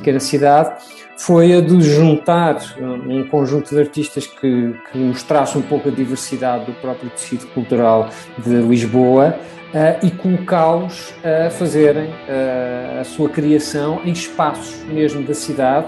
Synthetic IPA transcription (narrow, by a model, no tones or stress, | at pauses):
kɛnɐsiðað | fojɐðɨʒũnt̪aɾũkõʒũnt̪uðɐɾt̪iʃt̪ɐʃkɨkʰɨmuʃt̪ɾasũpowkɐðivɨɾsiðaðːupɾɔpɾjuksiðjukulˠt̪uɾalˠ | d̪ɨlˠiʒβoɐ | ɛikulˠukalˠuʃ | ɛfɐzeɾɐ̃j̃ɛɐsuɐkɾiɐsɐ̃w̃ẽj̃ʃpasu̥ʒmeʒmuðɐsiðað